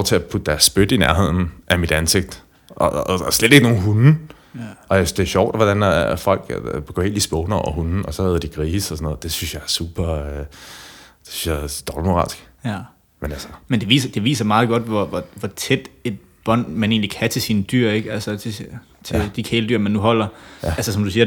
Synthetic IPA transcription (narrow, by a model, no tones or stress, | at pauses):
ɒ̰t͡sʰe̝æpʰud̥d̥æɐsːb̥ød̥inæɐɦe̝ð̞̰ˠn̩ʔæmid̥ænse̝ɡ̥̚d̥ | ʔɒsled̥e̝ɡ̥no̝ːn̩ɦun̩ | ɒ̽asd̥e̝ɕɒʊ̰d̥ʋɒd̥ænæfɒ̽l̰ɡ̥b̥ɡ̥ḛnd̥isb̥ɔʊnɒʊɐhunn̩ɒ̽sɒ̽hæð̞̩ˠd̥iɡ̥ʁiːsɒsɒ̽nɔ̽ð̩ˠd̥e̝synsjɑ̈ɪæɐsṵːb̥ɐ | d̥e̥sy̥sjad̥ɒb̥ləmo̝ʁɑ̈ːlsɡ̥ | menælsɐmend̥e̝ʋḭːsɐd̥e̝ʋḭːsɐmɑ̈ːð̩ˠɡ̥ɒ̽d̥ʋɒʋɒʋɒt͡sʰed̥e̝d̥̚ | b̥ɒ̽n̰mæne̝̰ːnlikʰæt͡sʰe̝sinəd̥y̰ɐ̰e̝ɡ̥ælsət͡sʰe̝ | t͡sʰed̥ikʰeːləd̥yɐ̰mænːuɦɒ̽l̰ɐælsəs̬ɒ̽md̥usiːɐ